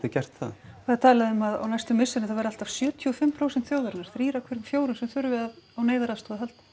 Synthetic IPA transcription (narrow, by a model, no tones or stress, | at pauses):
ɪcɛr̥t̪θa̰ðfaðat̪ʰaːlaðʏmːaða̰wnajst̪ʏmːɪsɪnɪθaðvajɾal̥t̪av̥sjœːt̪ʰiɔfɪmːpʰɾowsɛnt̪θjoːwðaɾnːaɾ̥θɾiːɾakʰvɛɾɪmfjoːwɾʏnsɛmθʏɾvɪðaðawneːjðaɾaðst̪ɔːðɪɦal̥t̪